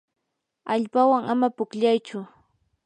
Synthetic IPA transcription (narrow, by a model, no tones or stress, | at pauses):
aʎpawaŋamapʊkʎajt͡ʃʊ